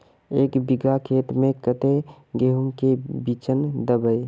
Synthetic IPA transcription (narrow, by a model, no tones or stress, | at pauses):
eːkbiɡakʰeːt̪mẽkət̪e | ɡeɦumkebit͡ʃənd̪əbəj